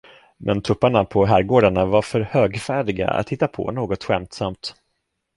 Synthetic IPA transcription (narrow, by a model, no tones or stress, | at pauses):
mʔɛnt̪ʰɾɵpːaɳapʰɔɦæːɾɡoːɖaɳavaɾfœɾhøːɡfæːɖɪɡa̰a̰t̪hɪt̪ːapʰɔ̰noːɡɔt̪ɧɛmt̪samt̪